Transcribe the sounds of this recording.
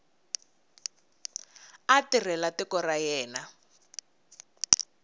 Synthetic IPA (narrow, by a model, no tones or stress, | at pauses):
atirɛlatɛkɔrajɛːna